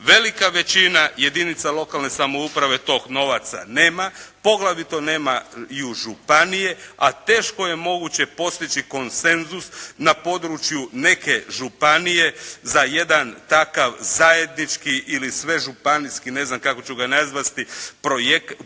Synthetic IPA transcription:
ʋe̞likaʋe̞t͡ʃinaje̞d̪init̪salo̞kalne̞samo̞upɾaʋe̞t̪o̞ːɡno̞ʋat̪sa̰ne̞ːmapo̞ɡlˠaʋit̪o̞ne̞ːmaiuʒupanije̞at̪e̞ːʃko̞je̞mo̞ɡut͡ɕe̞po̞st̪it͡ʃiko̞nse̞nzusnapo̞d̪ɾut͡ʃjune̞ke̞ʒupanije̞zaje̞d̪ant̪akaʋzaje̞d̪nit͡ʃkiʔilisʋe̞ʒupaniskine̞znamkako̞t͡ɕuɡanazʋat̪ipɾojek

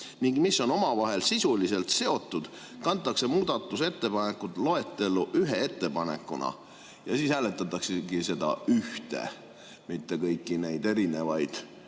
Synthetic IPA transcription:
niŋɡ̥misːo̞no̞mɑvɑɦe̞lsisulise̞lt̪se̞o̞t̪ːˑud̪̥ | kɑnt̪ˑːɑkse̞muːd̪̥ɑt̪ːˑuse̞t̪ːe̞pɑne̞kːˑut̪ˑlo̞e̞t̪ːˑe̞lːuʔyɦee̞t̪ːe̞pɑne̞̰kːˑunɑ̰ | jɑsiːshæːlet̪ːˑɑt̪ːˑɑkseɡise̞d̪ɑ̰yht̪e̞̰ | mit̪ːe̞kɤjkːˑine̞jd̪̥e̞ɾine̞vɑjd̪̥

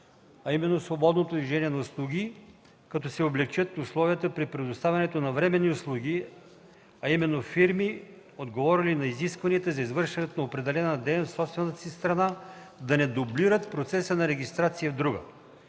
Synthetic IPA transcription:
ɐimɛnːosvobɔd̪not̪od̪vʲiʒɛniɛnɐʊslˠuɡʲi | kɐt̪ɔsɛoblɛk̚t͡ʃət̪ʊslˠɔviət̪əpɾipɾɛd̪ʊst̪avʲɐnɛt̪onɐvɾɛmɛnːiʊslˠuɡʲi | ɐimɛnːofiɾmi | od̪ɡovɔɾilinɐiziskvɐniət̪əzɐizvɤɾʃɛnɛt̪onɐopɾɛd̪ɛlɛnɐd̪ɛnfsɔpst̪vɛnət̪əsist̪ɾɐna | d̪ɐnɛd̪obliɾət̪pɾot̪sɛsənɐɾɛɡʲist̪ɾat̪sijəvd̪ɾuɡə̰

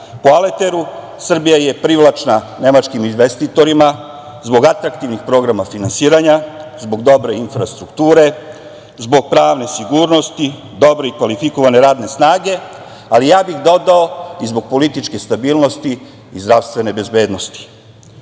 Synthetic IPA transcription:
poale̞t̪e̞ɾu | sr̩bijaje̞pɾiʋlˠat͡ʃna | ne̞mat͡ʃkiminʋest̪it̪o̞ɾima | zbo̞ɡat̪ɾakt̪iʋnixpɾo̞ɡɾamafinansiːɾaɲazbo̞ɡd̪o̞bɾe̞infɾast̪ɾukt̪uːɾe̞ | zbo̞ɡ̚pɾaːʋne̞siɡuːɾno̞st̪i | d̪o̞bɾe̞ikʋalifiko̞ʋane̞ɾaːd̪ne̞snaːɡe̞ | alijaːbixd̪o̞d̪ao̞izbo̞ɡ̥̚po̞lit̪it͡ʃke̞st̪abiːlˠno̞st̪iː | zd̪ɾafst̪ʋe̞ne̞be̞zbe̞ːd̪no̞st̪i̥

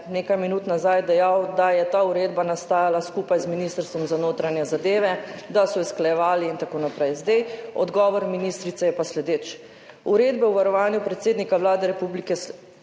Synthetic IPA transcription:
neːkajminuːt̪nazajd̪ɛjawd̪ajɛt̪aːuɾeːd̪banast̪aːjalaskupajzminiːst̪əɾst̪ʋɔmzanoːt̪ɾanjɛzad̪eːʋɛd̪asɔisklajɛʋaːliːnt̪akoːnapɾɛjzd̪ɛjɔ̰d̪ɡɔːʋɔɾminiːst̪ɾit̪sɛjɛpaslɛd̪eːt͡ʃ | uɾeːd̪bɛwʋaɾɔʋaːnjupɾɛt̪seːd̪nikaʋlaːd̪ɛɾɛpublikɛ

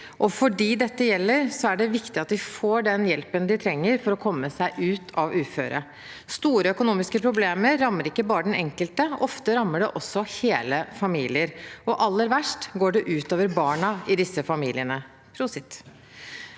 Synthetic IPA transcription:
ʔɔfɔɖiːd̪ɛt̪ːəjɛlːəɾsɔæɖɛʋɪkt̪ɪɑt̪d̪ɪfoːɖɛnjɛlpənd̪ɪt̪ʰɾɛŋːəɾfɔɾɔkʰɔmːəsæɪʔʉːt̪ʰɑʋʉːfø̰ːɾə̰ | st̪uːɾəœkʊnuːmɪskəpʰɾʊbleːməɾːɑmːəɾɪkːəbɑːɾəɖ̪ɛnɛŋkəlt̪əɔft̪əɾɑmːəɖɛʔɔsːɔheːləfɑmiːlɪəɾɔʔɑlːəɾʋæʂʈɡoːɖɛʔʉːt̪oːʋəɾbɑːɳɑɪd̪ɪsːəfɑmiːlɪənə | pʰɾʊsɪt̪

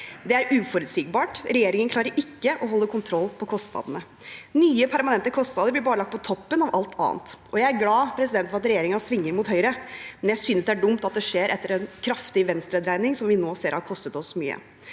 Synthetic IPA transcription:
d̪ɛæɾʉːfɔɾʉːt̪siːɡ̚bɑːʈɾɛjeːɾɪŋənkʰlɑːɾəɾʔɪkːəʔɔɦɔlːəkʰʊnt̪ʰɾɔlːpʰɔkʰɔst̪nɑ̰ːd̪ənə | nyːəpʰæɾmɑnɛnt̪əkʰɔst̪nɑːd̪əɾblɪɾbɑːɾəlɑk̚t̪pɔt̪ʰɔpːənɑʋɑlt̪ʰɑ̰ːə̰nt̪ʔɔjæɪæɾɡlɑːpʰɾɛsɪd̪ɛnt̪fɔɾɑt̪ɾɛjeːɾɪŋɑsʋɪŋːəɾmuːt̪hœʏɾəmɛnjæɪsynəsd̪ɛæɖʊmt̪ɑt̪̚d̪ɛʂeːɾʔɛt̪ːəɾɛnkʰɾɑft̪ɪʋɛnst̪ɾəd̪ɾæɪnɪŋsɔmʋɪnoːseːɾhɑɾkʰɔst̪ət̪ɔsːɔmy̰ːə̰

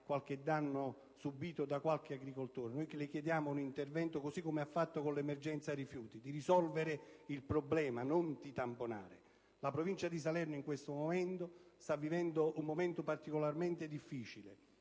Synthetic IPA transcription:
kwalk̟ed̪ːanːo | subiːt̪od̪akwalk̟eaɡɾikolt̪oːɾenojlɪk̟jed̪jaːmounint̪ervɛnt̪okosikːomeafːat̪ːokonlɛmerd͡ʒɛnt̪sarifjuːt̪id̪iɾisɔlveɾɪilpɾoblɛːmanont̪it̪ampona̰ːɾɪ | lapɾovint͡ʃad̪isalɛrnoiŋkwest̪omomɛnt̪ost̪avːivɛnd̪oʔumːoment̪opart̪ikolarmɛnt̪ɪd̪ifːiːt͡ʃile

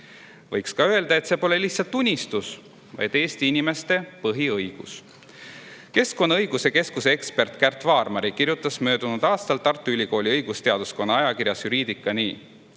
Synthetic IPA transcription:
vɤjkskɑøe̞ld̪ɑe̞t̪se̞ːpo̞le̞liçht̪sɑlt̪ːˑunʲːist̪us | vɑ̰jd̪̥e̞ːst̪iinime̞st̪e̞pɤɦiɤjɡ̥us | ke̞sko̞nɑɤjɡ̥use̞ke̞skuseekspe̞rt̪ˑkært̪ːˑvɑːrmɑɾikirjut̪ːˑɑsmø̞ːd̪̥unud̪̥ɑːst̪ɑlt̪ːɑrt̪ːˑuylʲiko̞ːlʲiɤjɡ̥ust̪eɑd̪usko̞nːɑɑjɑkirjɑsjuɾiːd̪̥ikːˑɑniː

